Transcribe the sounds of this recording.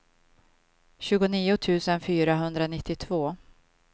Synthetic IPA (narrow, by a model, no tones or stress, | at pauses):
ɕʉ̟ːɡʊniːʊt̪ʰʉ̟ːsənfyːɾaɦɵnd̪ɾanɪt̪ːɪt̪ʰvoː